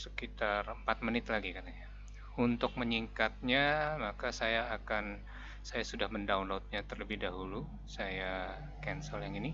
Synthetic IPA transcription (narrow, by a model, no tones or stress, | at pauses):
sə̥kit̪arəmpat̪̚mənɪt̪laɡikataɲa | unt̪ʊk̚məɲiŋkat̪̚ɲamakasajaːkan | sajasudahməndaunloʊt̪̚ɲat̪ərləbɪhdaɦulu | saja | kɛnsəljaŋini